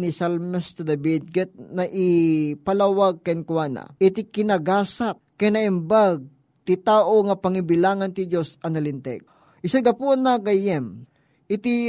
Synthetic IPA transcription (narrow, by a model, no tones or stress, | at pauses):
nisalmɛst̪ɐd̪ɐbid̪̚ɡɛt̪̚nɐʔɪpɐlawaɡ̚kɐnkuwana̰ʔɪt̪ikɪnɐɡaːsat̪̚kɐjnɐʔɛmbaɡ̚ | t̪ɪt̪aːʔoŋɐpɐŋibɪlaːŋɐnt̪ɪd͡ʒosɐŋɐlɪnt̪ɛ̰ɡ̚ | ʔɪsaɡɐpunakɐjɛm | ʔɪt̪i